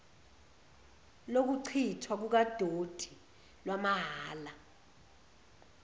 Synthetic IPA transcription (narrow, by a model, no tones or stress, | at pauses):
lok̬uǀʰitʰwak̬uk̬ad̥ʱod̥ʱi | lwamaɦaːla